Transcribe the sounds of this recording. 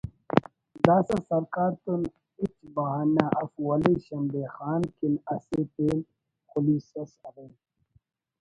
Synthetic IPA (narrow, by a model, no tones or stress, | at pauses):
d̪aːsɐsɐɾkaːɾt̪un | it͡ʃbɐɦaːnaʔɐfwɐleɕɐnb̪exaːnkinɐset̪en | xʊliːsɐsɐɾe